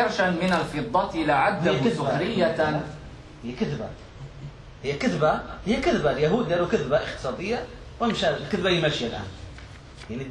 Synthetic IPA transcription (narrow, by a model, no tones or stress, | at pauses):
ɪɾʃanmɪnalfɨd̪ˤːɑt̪ʔɪlaʕad̪ːaɪaɾɪjːat̪an | hɪjːakɪðba̰ | hɪjːakɪðbahɪjːakɪðbaljaɦuːd̪alukɪðbaʔɪxt̪ɨ̥sˤɑːd̪ɪjːa | wɪmʃakɪðbajɪmaʃjalʔa̰ːn | jaʕni